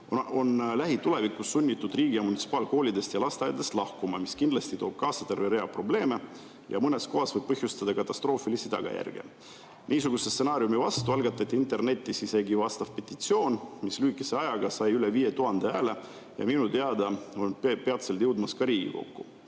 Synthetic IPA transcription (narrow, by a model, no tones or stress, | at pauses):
o̞nlæɦit̪ule̞vikːˑusːunʲːit̪ːud̪riːɡiɑmunit̪si̥pɑːlko̞ːlʲid̪e̞st̪jɑlɑst̪eɑjɑd̪e̞st̪lɑhkumɑmiskind̪lɑst̪it̪o̞ːb̥̚kɑːsɑt̪e̞rveɾe̞ɑpro̞ble̞ːme̞ | jɑ̰mɤnesko̞ɦɑsvɤjb̥̚pɤhjust̪ɑd̪ɑkɑt̪ːˑɑst̪ro̞ːfilisit̪ɑ̰ɡ̥ɑ̰jæ̰rɡ̥ḛ | nʔiːsuɡ̥usest̪se̞nɑːɾjumivɑst̪uɑlɡɑt̪ːˑɑt̪ʲːˑiint̪e̞rne̞t̪ʲːisise̞ɡivɑst̪ɑv̥pe̞t̪ːit̪sio̞ːnmislyːkːˑiseɑjɑɡ̥ɑsɑjyle̞viːje̞t̪uɦɑnd̪eæːle̞ | jɑ̰minut̪eɑd̪ɑo̞npeɑt̪se̞lt̪jɤwd̪mɑskɑɾiːɡ̥ḭko̞̰kːu